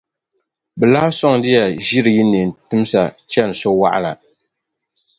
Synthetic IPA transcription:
bɛ˨la˦sɔ˦ŋdɪ˦ja˨ʒi˦ɾɨ˨ji˦ni˨n˨tʊ˦m˦sa˨t͡ʃɛ˦n˨so˦wa̰˦ʔa̰˦la˨

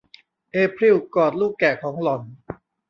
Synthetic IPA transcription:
ʔeː˧pʰɾi˥˩wkɔː˨˩t̪̚luː˥˩kːɛː˨˩kʰɔː˩˦ŋlɔ˨˩n

